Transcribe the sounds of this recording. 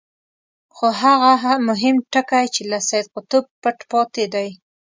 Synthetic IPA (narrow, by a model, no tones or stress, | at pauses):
xoɦaɣaɦamʊɦɪmʈəkajt͡ʃelasajd̪̚qʊt̪ob̚ːəʈpɑt̪ed̪aj